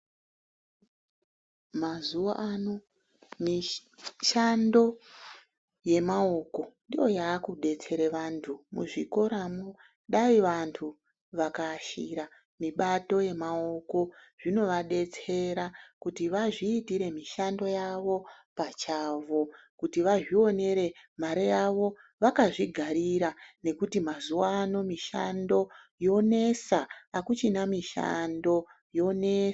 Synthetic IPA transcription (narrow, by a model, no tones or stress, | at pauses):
mazuʋaʔano̞ | miʃando̞ | je̞mao̞ko̞ndijo̞jaːkuɗe̞t͡se̞ɾeʋantʰumṵʐiko̞ɾamo | ɗaiʋantʰu | ʋakaʃiɾa | miɓato̞je̞mao̞ko̞ʐ̥ino̞ʋaɗe̞t͡se̞ɾakutiʋaʐiːtiɾe̞miʃando̞jaʋo̞pat͡ʃaːʋo̞ | kutiʋaʐio̞ne̞ɾe̞maɾijaʋo̞ | ʋakaʐiɡʱaɾiɾane̞kutimazuwaːno̞miʃa̰ndo̞ | jo̞ne̞saːkut͡ʃinamiʃa̰ndo̞ | jo̞nes